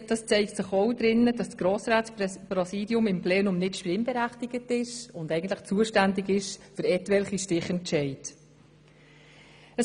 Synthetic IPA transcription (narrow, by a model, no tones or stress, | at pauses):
d̥ɑst͡sɛɪktsɪχɔwdɾɪnːəd̥ɑssɡ̥ɾoːsɾaːtspɾɔsiːdjʊmɪmplɛːnʊmnɪtʃpɪmbɛɾæχtɪɡ̥ətɪʃʊndɛɪɡən̩t̪ləχt͡suəʃtændɪɡɪʃfʏɾɛtʋɛlχiʃtɪχɛnt͡ʃɛɪt | əs